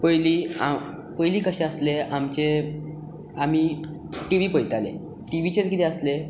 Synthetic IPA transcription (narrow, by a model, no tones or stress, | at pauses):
pəjlia | pəjliːkəɕẽəsleamt͡ɕe | am̤i | ʈiʋipəjt̪alḛ | ʈiʋit͡ɕed͡zɡiɾeəsle